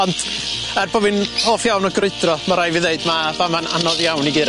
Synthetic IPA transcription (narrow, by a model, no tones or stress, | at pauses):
ɔndʰ | ɛrbovɨnhoːfjawnɔɡrɪɨdrɔmaɾajvɨðeɨdmavamana̰nɔðjawniɡɪɾ